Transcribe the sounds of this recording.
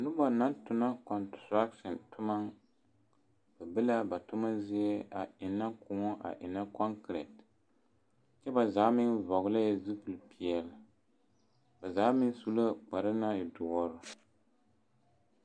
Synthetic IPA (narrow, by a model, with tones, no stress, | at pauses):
nʊ˦ba˨na˦ntʊ˨na˦kɔ˨ntɾa˦ktɔ˨ntʰʊ˦ma˦ŋ | ba˨bɛ˦la˦ba˨tʊ˦ma˦zɪ˦ɛ˦a˨ɪ˨nːa˦kʊ˨ŋɔ˦ʔa̰˨ʔɪ˨na˦kɔ˦ŋkɾɛ˨t | t͡ʃɛ˦ba˨za˨˦mɪ˦ŋvɔ˨ɣʊ˦la˦jɛ˦zu˦pɨ˨lpi˨ɛ˨l | ba˨za˨˦mɪ˦ŋ˦su˦la˦k͡pa˨ɾa˦na˦jɛ˨dʊ˨ɔ˦ɾʊ˦